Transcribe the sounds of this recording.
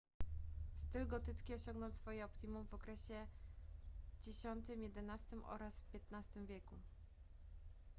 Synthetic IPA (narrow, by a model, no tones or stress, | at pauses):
st̪ɘlɡɔt̪ɘskʲiɔɕɔŋɡnɔ̃nwt̪sfɔjɛɔpt̪imumvɔkɾɛɕɛ | d͡ʑɛɕɔnt̪ɘmjɛd̪ɛnast̪ɘmʔɔ̰ɾasfpʲjɛt̪nast̪ɘmvʲjɛku